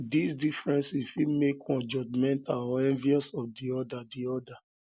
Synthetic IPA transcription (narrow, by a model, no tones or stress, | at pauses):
disdifɹɛ̃nsifimekwɔ̃nd͡ʒɔd͡ʒmɛ̃ntalɔɛ̃nviɔsɔfdiɔdadiɔda